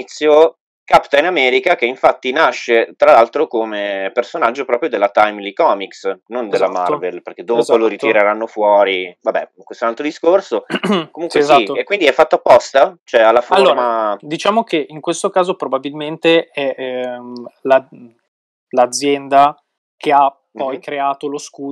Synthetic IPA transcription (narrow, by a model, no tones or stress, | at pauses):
t̪sːjo | kapt̪ainamɛːɾikak̟eiɱfat̪ːinaʃːet̪ɾalalt̪ɾokomepersonad͡ʒːopɾɔːpɾjod̪elːat̪ajmlikɔːmiksnond̪elːama̰rvelperk̟ed̪ːopoloɾit̪iɾeɾanːofwɔːɾivabːɛ̰iŋkwest̪onalt̪ɾod̪iskorsokomuŋkwesiekːwind̪iɛfːat̪ːoapːɔst̪at͡ʃoɛalːafoalɾːomad̪it͡ʃaːmokeʔiŋkwest̪okaːzopɾobabilment̪eɛ | la | lad̪zːjɛnd̪a | kʰea | pɔjkɾeaːt̪oloskuː